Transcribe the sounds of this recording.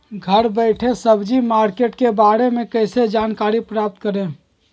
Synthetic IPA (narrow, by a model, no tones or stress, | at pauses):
ɡʱəɾbəɪʈʰesəbʱd͡ʒimaɾkeʈkebaɾemẽkəɪsed͡ʒaːnkaɾipɾaːp̚t̪̚kəɾẽ